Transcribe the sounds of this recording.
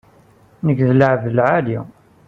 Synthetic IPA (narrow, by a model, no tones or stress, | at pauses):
nəkðələʕvəlʕalḭ